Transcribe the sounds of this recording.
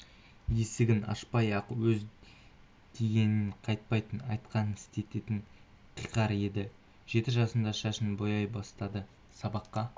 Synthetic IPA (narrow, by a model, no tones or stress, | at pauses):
je̞sɪɡʲɪnɑ̰ʃpɑjɑqwɵz | d̪̥ʰeɡʲe̞nɪɴqʰɑjt̪̚pɑjt̪ənɑjt̪qɑnəɪ̥st̪e̞t̪e̞t̪ɪɴ | qʰijqɑɾe̞d̪ɪ | ʒ̥e̞t̪ɪʒɑsənd̪ɑʃæʃɪnbo̞jɑjbɑst̪ɑd̪ə | sɑbɑqːɑ